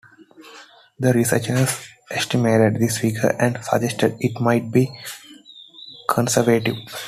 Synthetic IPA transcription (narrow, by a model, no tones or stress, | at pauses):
d̪əɾisə̰t͡ʃəs | ʔesʈimeːʈeɖd̪isʋiːkʰə̰æ̃ɳɖsə̰d͡ʒesʈeɖɪʈmaɪʈ̚biː | kʰə̃nsəɾʋeːʈiʋ